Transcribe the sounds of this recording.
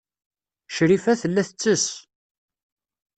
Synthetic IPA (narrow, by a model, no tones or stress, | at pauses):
ʃɾifæθəlːæθət͡sːəs